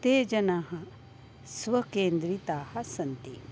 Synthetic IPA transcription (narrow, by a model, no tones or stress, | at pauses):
t̪eːd͡ʒɐnaːɦɐ | sʋɐkeːnd̪ɾit̪aːhɐsɐnt̪ḭ